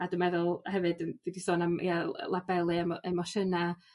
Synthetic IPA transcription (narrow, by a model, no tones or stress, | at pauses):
adəmɛðʊlˠhɛvɨdəndidisoːnamḭa̰lˠabɛlˠɨɛmɔɛmɔʃəna